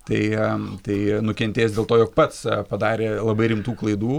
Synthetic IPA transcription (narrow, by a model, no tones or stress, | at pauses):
t̪ɐɪt̪ɐɪnʊkʲɛnʲt̪ʲeːsdʲeːlˠt̪oːjoːk̚pɐt̪spɐd̪ɑːɾʲeːlˠɐbɐɪɾʲɪmt̪uːklˠɐɪd̪uː